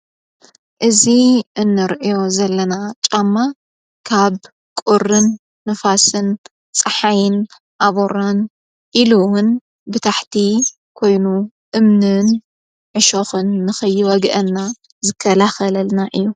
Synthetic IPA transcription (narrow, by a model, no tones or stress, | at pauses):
ʔɨziʔɨnːɨɾʔijo̞zɐlːɐnat͡ʃʼamːa | kʰaβ | kʼurːɨnː | ɨfasɨn | t͡sʼɨħajɪn | ʔaβoɾan | ʔiluwʊn | bɨt̪ʰaħt̪ʰi | kʰo̞jnu | ʔɨmnɨn | ʕɨʃoxɨnːɨxɨjːwɐɡʔɐnːa | zɨkʰːɐlaxɐlɐlnaʔɨjːu